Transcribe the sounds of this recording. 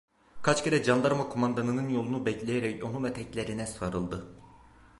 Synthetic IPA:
kʰat͡ʃceɾɛd͡ʒand̪aɾmakʰomand̪anɯnɯnjo̞lˠunubɛclʲejeɾɛconumɛt̪ʰɛclʲe̞ɾinɛsaɾɯlˠd̪ɯ

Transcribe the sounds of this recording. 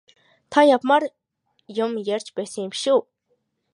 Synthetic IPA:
t̪ʰajapmar | jʊmjærʲt͡ɕpæːsə̆ŋjɪmʃuː

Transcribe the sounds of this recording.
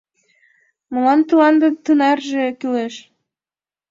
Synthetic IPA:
mɤlɑnt̪ulɑnd̪ɤt̪ɯnɑrʒekyleʃ

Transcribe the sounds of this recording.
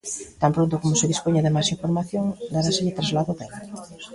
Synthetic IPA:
t̪ampɾont̪okomʊseðispoɲaðɪmajsiɱfoɾmaθjoŋd̪aɾasɪʎɪt̪ɾazlaðʊβeŋ

